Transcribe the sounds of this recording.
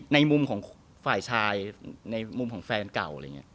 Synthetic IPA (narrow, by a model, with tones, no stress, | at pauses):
na˧jmu˧mkʰɔː˩˦ŋ | faː˨˩jt͡ɕʰaː˧jna˧jmu˧mkʰɔː˩˦ŋfɛː˧nka˨˩w̰ːŋḭ˦˥